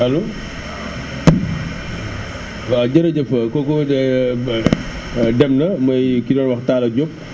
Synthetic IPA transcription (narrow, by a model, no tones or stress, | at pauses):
ɐlu | waɟɐɾɐɟɐfɐkɔkɔ | dɛmnɐmɐjkidɔːnwɐxtaːlɐɟop̚